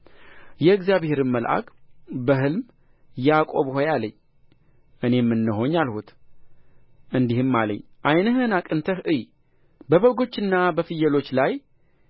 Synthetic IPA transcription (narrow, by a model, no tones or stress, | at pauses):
jɛɨɡzjaβhe̞ɾɨmmːəlʔa̰kʼbəɦɨlm | jakʼo̞βhojaləɲː | ʔɨne̞mːɨnːɨɦo̞ɲalhut̪ | ʔɨnd̪ihɨmːalə̰ɲːʔajnəɦɨnakʼɨnt̪ʰəhʔɨj | bəβəɡo̞t͡ʃːɨnːabəfɨjːɛlo̞t͡ʃːlaj